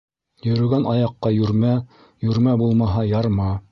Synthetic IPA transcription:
jɵ̆ɾɵ̆ɡænʔɑjɑqːɑjʉɾmæ | jʉɾmæbulˠmɑɦɑjɑɾmɑ

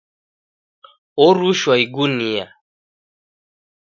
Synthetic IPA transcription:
ɔɾuʃwaiɡunija̰

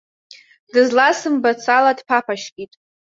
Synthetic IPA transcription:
dɨzlasɨmbat͡sʰaladpʰapʰaʃkʲʼitʼ

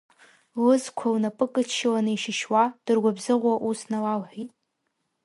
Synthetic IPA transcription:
lɨzkʷʰawnapʼɨkʼɨt͡ʃʰʃɪlanɨiʃɪʃwad̥ɨrɡʷabzɨʁʷaʔusnalawħʷitʼ

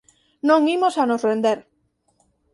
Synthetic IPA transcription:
nõŋimosanozrẽnd̪eɾ

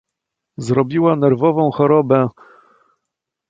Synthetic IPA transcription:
zɾɔbʲiwanɛɾvɔvɔ̃w̃xɔɾɔbɛ

